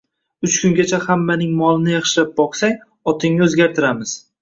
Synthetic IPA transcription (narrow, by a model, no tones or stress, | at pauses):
ʊt͡ʃkʰʊŋɡʲat͡ʃʰahamːanɪŋmɒlˠɪnɪjɑχʃɪlap̚bɒqsaŋ | ɒt̪ʰɪŋnɪɵzɡʲaɾt̪ʰɪɾamɪz̥